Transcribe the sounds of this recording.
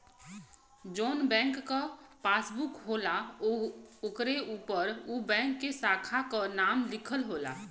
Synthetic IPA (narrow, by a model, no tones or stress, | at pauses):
d͡ʒoːnbɛ̃ːŋkːapaːsbukɦoːla | okɾeuːpəɾubɛ̃ːŋkːesaːkʰakənaːmlɪkʰəlɦoːla̰